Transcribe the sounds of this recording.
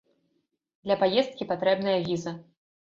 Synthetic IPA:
d̪lʲɐpajɛst̪̚kʲipat̪ɾɛbnɐjɐvʲizɐ

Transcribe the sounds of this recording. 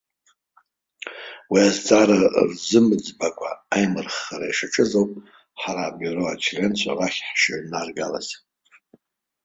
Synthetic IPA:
wiazd͡zʼaɾarzɨmɨd͡zbakʷʼʰa̰ajmɨrχːaɾaiʂaʈ͡ʂʰʼɨzowpʼ | ħaɾaːbyro̞at͡ʃʰrent͡ɕʷʰa̰raχʲħʃaʕnarɡala̰z

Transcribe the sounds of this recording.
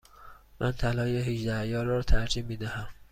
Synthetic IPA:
mʔænt̪ʰælɒːjeɦiʒd̪æjɒːɾɒːt̪ʰæɾd͡ʒiːmːiːd̪æhæm

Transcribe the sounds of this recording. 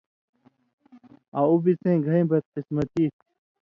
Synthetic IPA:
aubit͡sẽːɡʱɐĩːbɐd̪̚qismɐt̪iːt̪

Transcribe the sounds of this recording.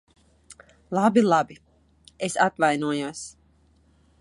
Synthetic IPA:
lˠabilˠabi | esapvajnuɔjuɔs

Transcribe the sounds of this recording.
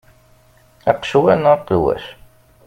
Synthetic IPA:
æqʃwænqwæ̰s

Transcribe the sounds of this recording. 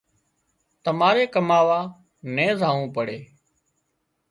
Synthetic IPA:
t̪əmaːɾeːkəmaːʋaː | nẽːzaːʋũːpəɽeː

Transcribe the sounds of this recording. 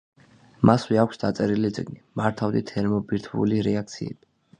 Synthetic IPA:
masvɛakʷʰsd̪at̪sʼɛɾilit̪sʼiɡnimaɾt̪ʰavd̪ḭt̪ʰɛɾmɔbiɾt̪ʰṵliɾɛak̚t̪sʰiɛ̰b̥i

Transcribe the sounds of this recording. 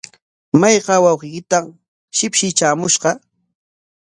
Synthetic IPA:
majɢɑwɑwqɪkɪt̪am | ʃɪpʃɪt͡ʃaːmʊʃɢɑ

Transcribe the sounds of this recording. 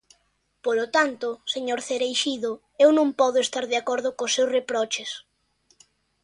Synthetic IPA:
polot̪ant̪ʊseɲoɾθeɾejʃiðo | ewnõŋpɔðʊest̪aɾðeakɔɾð̞ʊkosːewsrepɾɔt͡ʃes

